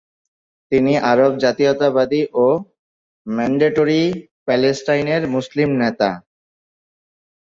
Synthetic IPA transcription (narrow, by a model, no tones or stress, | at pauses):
t̪iniʔaɾobd͡ʑat̪ijot̪abad̪iʔo | mɛɳɖeʈoɾi | pɛlesʈajneɾmuslimnet̪a̰